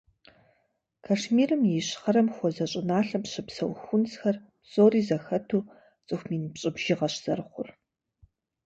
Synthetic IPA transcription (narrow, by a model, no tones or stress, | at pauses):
kʰaʂmiːrɨmjiɕχɐɾɐmxʷɔzɐɕʼɪnaːɬɐmpɕɨpsɐwxʷʊnsxɐrpsʼoːriːzɐxɐtʰuː | t͡sʼɨxʷmiːnpɕʼɪbʒ̥ɪʁɐɕz̥ɐrχʷʊr